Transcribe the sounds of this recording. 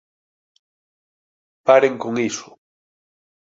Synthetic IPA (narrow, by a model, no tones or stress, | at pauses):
paɾeŋkoŋiso̥